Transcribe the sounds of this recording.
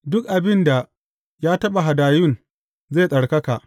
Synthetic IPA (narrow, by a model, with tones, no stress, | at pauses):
dʊ˦kʔa˨bɪ˦nda˨ | jaː˦tɐ˦ɓa˨ɦa˨daː˨jʊ˦˨n | ze˦˨sʼɐ˨ɽkɐ˦ka˨ʔ